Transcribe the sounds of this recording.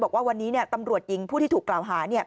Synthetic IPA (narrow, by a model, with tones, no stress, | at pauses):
bɔː˨˩k̚waː˥˩wa˧nːiː˦˥ni˥˩ɐt̪a˧mɾu˨˩ət̪̚ji˧ŋpʰuː˥˩t̪ʰiː˥˩˨klaː˨˩wɦaː˩˦ni˥˩ə